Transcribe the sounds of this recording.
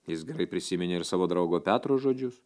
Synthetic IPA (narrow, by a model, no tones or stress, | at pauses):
jɪsɡʲɛɾɐɪpʲɾʲɪsʲɪmʲɪnʲeːɪɾsɑːʋoːd̪ɾɐʊɡoːpʲæːt̪ɾoːʒoːd͡ʒʲʊs